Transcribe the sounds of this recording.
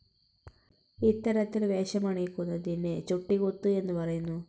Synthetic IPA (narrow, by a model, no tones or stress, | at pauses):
it̪ːɐɾɐt̪ːilʋeːʂɐmaɳikːunːɐd̪inːet͡ʃuʈːiɡot̪ːue̞nːupɐɾɐjunːu